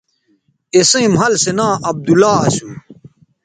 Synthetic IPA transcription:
esẽmɦɐlsenãːʔɐb̚d̪ulaːɐsum

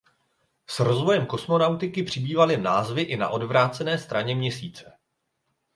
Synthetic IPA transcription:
sɾo̞zvojɛmko̞smo̞nawt̪ɪkɪpr̝̥ɪbiːvalɪnaːzvɪʔɪna̰ʔo̞dvɾaːt͡sɛnɛːst̪ɾaɲɛmɲɛsiːt͡sɛ

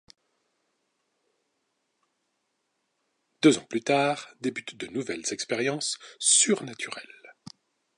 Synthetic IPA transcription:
d̪̥øzɑ̃plyt̪aːʁd̪ebyt̪d̪ənuvɛlz̥ɛkspɛʁjɑ̃sːyʁnat̪ʰyʁɛ̰l

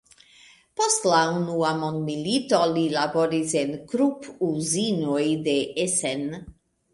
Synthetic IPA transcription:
pɔst̪launuamɔnmilit̪ɔlilabɔɾizenkɾupuzinojd̪eesɛn

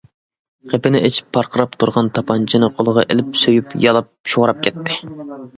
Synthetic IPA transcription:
qʰepɪnɪʔet͡ʃʰi̥pʰːɑɾqʰəɾɑpt̪ʰuɾʁɑnt̪ʰɑpʰɑnt͡ʃʰinɨqʰolˠəʁɑʔelɪpsøjypjɑlˠɑp̚ʃoʁɾɑp̚kʲʰɛt̪ʰːɪ

